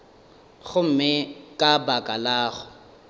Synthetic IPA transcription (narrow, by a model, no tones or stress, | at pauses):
ɣʊm̩mɪkʼabakʼalaːɣʊ